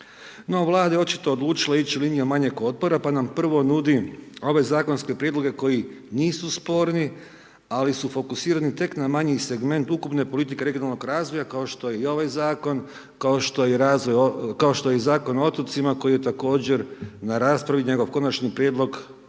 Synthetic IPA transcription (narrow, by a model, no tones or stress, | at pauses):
no̞ʋlˠaːd̪ajeo̞t͡ʃit̪o̞od̪lˠuːt͡ʃilait͡ɕuliːnijumaɲeko̞t̪̚po̞ɾapanampr̩ʋo̞nud̪io̞ʋe̞zaːko̞nske̞pɾjed̪lo̞ɡe̞ko̞jiniːsuspo̞ɾni | alisufo̞kusiːɾanit̪e̞knamaɲise̞ɡme̞nt̪ukupne̞po̞lit̪̬ike̞ɾeɡjonalˠno̞ɡɾaːzʋo̞jakaoʃt̪o̞jeio̞ʋajzaːko̞n | kaoʃt̪ojeɾazʋojkaoʃt̪ojezaːko̞noot̪ot̪simako̞jije̞t̪ako̞ːd͡ʑe̞ɾnaɾaːspɾaʋiɲe̞ɡo̞ʋko̞nat͡ʃnipɾjed̪lo̞ɡ